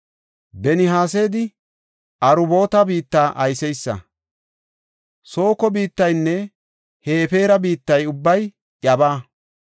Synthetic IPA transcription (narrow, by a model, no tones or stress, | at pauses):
bɛnɪɦaːs̬e̞ːd̪ɪ | ʔɐɾʊbo̞ːt̪ɐbiːt̪ːaːʔɐjsɛjsːɐ̰ | so̞ːkɔbiːt̪ːɐjnːɛ | heːfe̞ːɾɐbiːt̪ːɐjʊbːɐj | ʔɐbaː